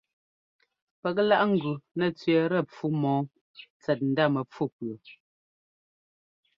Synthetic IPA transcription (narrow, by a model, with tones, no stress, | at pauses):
pɛ˨k̬̚la˦ʔŋ̩˨ɡʉ˨nɛ˦˨t͡sɥɛ˨ɾɛ˦˨p͡fu˦mɔː˨˦ | t͡sɛ˨t̬̚n̩˨da˦˨mɛ˨p͡fu˦˨pɰə˨